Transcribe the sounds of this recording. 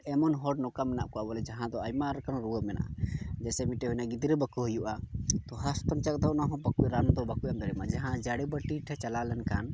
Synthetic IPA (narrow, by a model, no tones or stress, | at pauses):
ɛmɔnɦɔɖnɔkamɛnaʔ̚kɔabɔlɛd͡ʒaɦãd̪ɔajmaɾkanɾuwəmɛna̰ʔa̰d͡ʒɛsɛmiʈɛɦɔjnaɡid̪ɾəbəkuɦujuʔat̪ɔɦaspənt͡ʃak̚ʼd̪ɔwnaɦɔ̃bakuʔɾand̪ɔbakuʔamd̪ɔɾɛmad͡ʒaɦãd͡ʒaɽɛbəʈiʈʰɛt͡ʃalalɛnkan